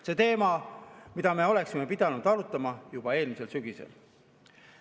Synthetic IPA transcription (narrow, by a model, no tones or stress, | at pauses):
se̞t̪e̞ːmɑmid̪̥ɑme̞o̞le̞ksime̞pid̪̥ɑnud̪̥ɑɾut̪ːˑɑmɑjub̥ɑe̞ːlmise̞lsyɡ̥isḛl